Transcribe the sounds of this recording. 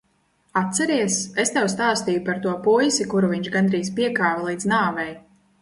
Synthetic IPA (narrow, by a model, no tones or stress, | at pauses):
at̪sɛɾiɛsest̪ɛwst̪aːst̪iːjupaɾt̪uɔpujsikuɾuviɲt͡ʃɡand̪ɾiːspiɛkaːvɛlˠiːd̪znaːvɛj